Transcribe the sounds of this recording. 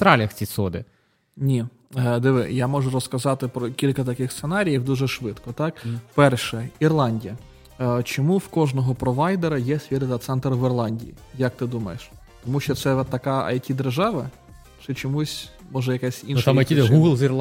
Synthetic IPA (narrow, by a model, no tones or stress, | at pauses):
t̪ɾɑlʲɐxt͡sʲisɔd̪ɪ̰ | nʲi | d̪ɪʋɪ̰jamɔʒʊɾɔskɐzɑt̪ɪpɾɔkʲilʲkɐt̪ɐkɪxst̪senɑɾʲijiwd̪uʒɛʃʋɪt̪kɔt̪ɑkpɛrʃɛirlˠɑnʲdʲijɐ | t͡ʃɔmuwkɔʒnɔɦɔpɾɔʋɑjd̪eɾɐjɛsʲʋʲid̪ɪt̪ɐt̪sɛnt̪ɾɐʋɪrlˠɑnʲdʲḭjḭ | jɐk̚t̪ɪd̪umɐ̰jeʃ | t̪ɔmuʃt͡ʃɔt̪sɛt̪ɐkɑɐ̰jtʲid̪erʒɑʋɐ | t͡ʃɛt͡ʃɔmusʲ | mɔʒɛjɐkɛsʲinʃt̪amɐtʲiɦuɡlˠzirlˠ